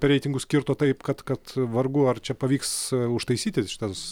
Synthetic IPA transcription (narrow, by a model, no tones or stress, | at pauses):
pʲɾʲɛɪt̪ʲɪŋɡʊsʲkʲɪɾt̪oːt̪ɐɪpkɐt̪kɐt̪ʋɐrɡʊɐrt͡ʃʲɛpɐʋʲiːksʊʃt̪ɐɪsʲiːt̪ʲɪʃɪ̥t̪ɐs